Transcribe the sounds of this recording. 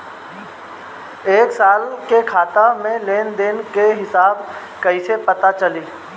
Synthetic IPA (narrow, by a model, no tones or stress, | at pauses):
eːksaːlkekʰaːt̪amẽleːnd̪eːnkeɦɪsaːb | kɐisepɐt̪at͡ʃəliː